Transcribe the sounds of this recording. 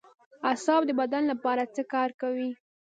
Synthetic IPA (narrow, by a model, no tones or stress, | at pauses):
asɑbd̪əbad̪anlapɑɾat͡səkɑɾkawi